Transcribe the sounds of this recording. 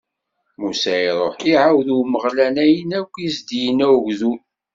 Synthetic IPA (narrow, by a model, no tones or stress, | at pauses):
musæiɾˤoħiʕawðuməʁlænæjənækʷːizd̪ijənæwʝðul